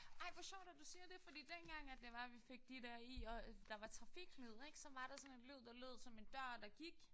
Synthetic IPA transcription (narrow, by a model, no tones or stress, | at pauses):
ɑ̈ɪ̰ʋɑɕɔʊ̰d̥æd̥usiːɐd̥e̝fɒ̽d̥ḭːd̥enɡ̥ɑ̈ŋ̰æ̥e̝ʋɑ̈ʋife̝ɡ̥̚d̥id̥æɐ̰iɒ̽d̥ɑ̈ʋɑ̈t͡sʰʁɑ̈fiɡ̥lið̞̰ˠeɡ̥sɒ̽mʋɑ̈ɾ̥ɑ̈sɒ̽ne̝d̥lið̰ˠd̥ɑ̈lo̝ð̰ˠsɒ̽me̝nd̥ɶɐ̰d̥ɑ̈ɡ̥iɡ̥